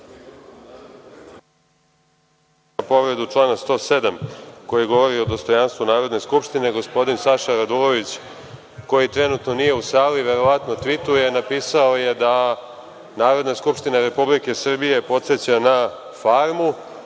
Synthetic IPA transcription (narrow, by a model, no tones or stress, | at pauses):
apo̞ʋɾe̞d̪ut͡ʂlˠaːnast̪o̞ːse̞d̪amko̞jiɡo̞ʋo̞ɾio̞d̪o̞st̪o̞janst̪ʋunaːɾo̞d̪ne̞skupʃt̪ine̞ɡo̞spo̞d̪insaʃaɾad̪ulˠo̞ʋit͡ɕ | ko̞jit̪ɾe̞nut̪no̞nije̞usaːliʋe̞ɾo̞ʋat̪no̞t̪ʋit̪uje̞napiːsao̞je̞d̪a | naːɾo̞d̪naskupʃt̪inaɾe̞publike̞sr̩bije̞po̞t̪se̞t͡ɕana | faɾmu